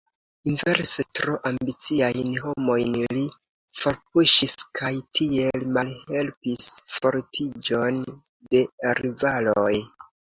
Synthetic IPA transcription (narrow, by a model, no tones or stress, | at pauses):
inve̞ɾsetɾoʔambit͡siajnɦo̞mo̞jnli | foɾp̚uʃiskʰajtʰie̞lmalhe̞lpisfo̞ɾtʰid͡ʒo̞nde̞ɾivaloj